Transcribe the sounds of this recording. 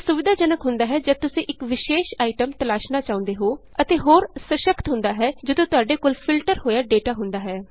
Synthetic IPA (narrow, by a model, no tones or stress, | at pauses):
sʊʋɪd̪ʱaːd͡ʒənəkɦʊnd̪aːɦɛːd͡ʒət̪ʊsĩːʔɪkʋɪʃeːʃaːiʈəmt̪əlaːʃnaːt͡ʃaːʊ̃nd̪eːɦoː | ət̪eːɦoːɾsəʃəkt̪ɦʊ̃nd̪aːɦɛːd͡ʒəd̪õːt̪ʊaːɖeːkoːlpʰɪlʈəɾɦoːjaːɖeːʈaːɦʊnd̪aːɦɛː